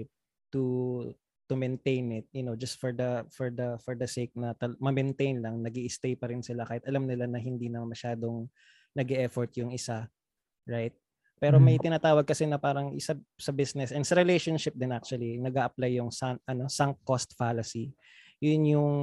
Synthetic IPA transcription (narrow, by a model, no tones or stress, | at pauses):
p̚ | t̪u | t̪ʊmɛnt̪ejnɪt̪̚jʊnod͡ʒɐst̪̚fɔɹd̪ɐfɔɹd̪ɐfɔɹd̪ɐsek̚nɐt̪ɐmɐmɛnt̪ejnlɐŋnɐɡiʔɪst̪ejpɐɾɪnsɪlakaːhɪt̪ɐlamnɪlanɐɦɪnd̪iːnɐmmɐʃaːd̪oŋ | nɐɡɛʔɛfɔɹt̪̚jʊŋɪsa | ɹajt̪̚ | pɛːɾomɐjt̪ɪnaːt̪aːwɐɡ̚kɐsɛnɐpaːɾɐŋʔɪsasɐbɪsnɛsʔɛnsɐɾɛlejʃonʃɪp̚d̪ɛnʔak̚t͡ʃuɐlinɐɡaːʔɐplajːʊŋsanɐno̞sɐŋ̚kost̪falɐsi | jʊnjʊŋ